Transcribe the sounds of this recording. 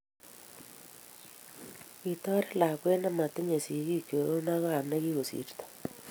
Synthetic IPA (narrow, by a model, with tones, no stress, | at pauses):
i˨tɔ˦ɾe˦la˨kwe˦na˦ma˨te˦ɲe˨si˨ɣi˦kjo˨ɾo˦na˦ɣa˦a˨ne˦ɣi˦ɣo˨sḭ˨ɾtḁ˨